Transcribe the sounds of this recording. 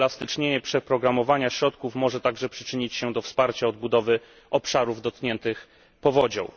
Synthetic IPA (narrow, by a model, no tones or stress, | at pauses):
last̪ɘt͡ʂɲeɲɛpʂɛpɾɔɡɾamɔvaɲaɕɾɔt̪kufmɔʐɛt̪aɡʐɛpʂɘ̥t͡ʂɘɲit͡ɕɕɛd̪ɔfspaɾt͡ɕaɔd̪̚bud̪ɔvɘ | ɔpʂaɾuvd̪ɔt̪̚kɲɛnt̪ɘx | pɔvɔd͡ʑɔ̰̃w̃